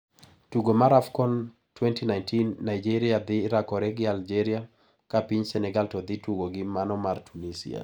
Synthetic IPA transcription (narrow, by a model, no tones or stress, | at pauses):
tuɡomaɾafkɔn | twɛntinajntinːajd͡ʒiɾiad̪ɪɾakɔɾɛɡɪald͡ʒɛɾia | kapiɲsɛnɛɡaltɔd̪ɪtuɡoɡɪmanɔmartʰunisḭa̰